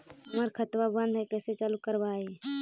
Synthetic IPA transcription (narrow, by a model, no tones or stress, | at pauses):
məɾkʰət̪wabə̃nd̪ʱɦɛkəset͡ʃalukəɾbai